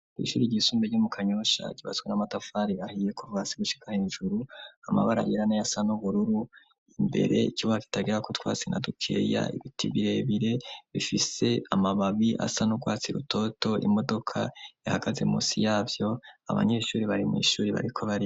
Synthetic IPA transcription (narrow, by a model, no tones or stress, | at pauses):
ḭʃuːɾiɟisuːmbeɾɟumukʰaɲoʃa̰ɟiβa̰zɡwenamatafaːɾiahije̞kuvasiɡuʃi̥kʰaheɲʒuɾuama̰βaɾa̰jiɾanajasanuβuɾuɾu | imbe̞̰ɾe̞̰iciβahaki̥taɡiɾakotwa̰ːt͡sinadukʰe̞̰ja̰iβitʰiβiɾe̞βiɾe̞βifise̞amaβaβiʔa̰sanuɡwaːt͡siɾuto̞to̞ʔḭmo̞do̞kʰa̰jahaɡ̥aze̞̰muːsijaːvjo̞a̰βa̰ɲe̞ːʃuːɾiβaɾimḭːʃuːɾiβa̰ɾikʰo̞βaɾi